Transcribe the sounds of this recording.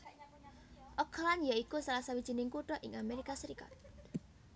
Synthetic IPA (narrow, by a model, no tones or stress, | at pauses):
ʔɔkʰlanjaikusalasawid̥ʒ̥i̤nɪŋkuʈɔʔɪŋameɾikasəɾika̰t̪̚